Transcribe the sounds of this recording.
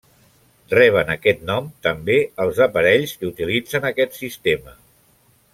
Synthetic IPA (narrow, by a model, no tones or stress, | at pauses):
rɛβ̞ənəkɛt̪̚nɔmt̪əmbeəlˠzəpəɾɛʎskəut̪ilid͡zənəkɛt̪sist̪emə